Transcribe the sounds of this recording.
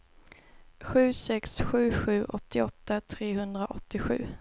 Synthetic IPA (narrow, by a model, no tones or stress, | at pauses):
ɧʉ̟ːsɛksɧʉ̟ːɧʉ̟ːʔɔt̪ːɪɔt̪ːat̪ʰɾeːɦɵnd̪ɾaʔɔt̪ːɪɧʉ̟ː